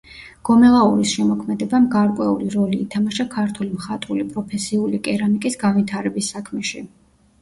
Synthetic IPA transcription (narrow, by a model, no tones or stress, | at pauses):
ɡ̥ɔmɛlˠauɾisʃɛmɔkʰmɛd̪ɛbamɡaɾkʼwɛṵliɾɔliːt̪ʰamaʃakʰaɾt̪ʰulimχat̪ʼulipʼɾɔpʰɛsiulikʼɛɾanikʼisɡanvit̪ʰaɾɛbisːakʰmɛʃi